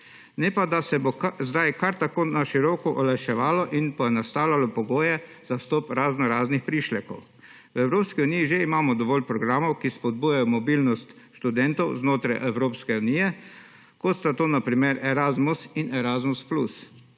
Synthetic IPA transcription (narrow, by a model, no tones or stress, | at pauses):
nɛpad̪asɛbozd̪ajkaɾt̪akoːnaʃiɾɔkɔʔɔlaʃɛʋaːlɔʔinpɔjɛnast̪aːwlʲalɔpɔɡoːjɛ | zast̪ɔːpɾaːznɔɾaːznixpɾiʃlɛkɔw | wɛwɾoːpskiuniːjiʒeimaːmɔd̪ɔʋɔːlpɾɔɡɾaːmɔwkispɔd̪̚buːjajɔmɔbiːlnɔst̪ | ʃt̪ud̪ɛnt̪ɔwznoːt̪ɾajʔɛwɾoːpskɛuniːjɛ | kɔt̪st̪at̪oːnapɾimeɾɛɾaːzmusinɛɾaːzmusplus